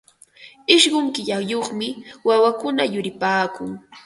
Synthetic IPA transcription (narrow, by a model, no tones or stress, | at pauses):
ɪʃɢʊŋkɪʎajoχmɪwawakʊnajʊɾɪpaːkʊŋ